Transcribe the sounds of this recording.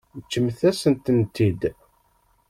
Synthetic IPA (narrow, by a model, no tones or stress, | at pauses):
t͡ʃːəmθæsənt̪ənt̪id̪